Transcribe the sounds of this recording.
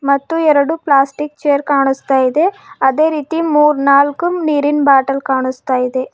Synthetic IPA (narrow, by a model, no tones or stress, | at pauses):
mɐt̪ːuɛɾɐɽuplaːsʈik̚t͡ʃejɐɾkaːɳust̪aːjid̪e̞ɐd̪e̞ːɾiːt̪imuːɾnaːlkumniːɾinbaːʈɐlkaːɳust̪aːjid̪e̞